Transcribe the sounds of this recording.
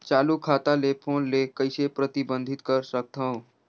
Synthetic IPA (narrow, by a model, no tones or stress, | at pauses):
t͡ʃalukʰat̪alepʰonlekəjsepɾət̪ibənd̪ʱit̪kəɾsək̚t̪ʰə̃w̃